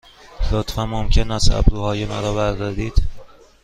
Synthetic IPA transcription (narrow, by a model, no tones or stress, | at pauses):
lot̪ʰfæmːomcʰenæst̪æ̰bɾuːhɒːjemæɾɒːbæɾd̪ɒːd̪iːd̪̥